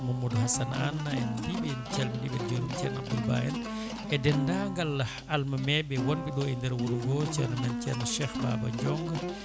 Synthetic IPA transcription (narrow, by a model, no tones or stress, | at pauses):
mumudhasana̰nːaɛnbibɛnt͡ʃɛlmidibɛd͡ʒuɾumt͡ʃɛna̰b̚dulba̰jɛn | ʔɛdɛndaŋɡalːah | almamɛbɛwɔnbiɗɔɛndɛɾwuɾuɡɔt͡ʃɛnamɛnt͡ʃɛnaʃɛxba̰ba̰ɲd͡ʒɔŋɡɔ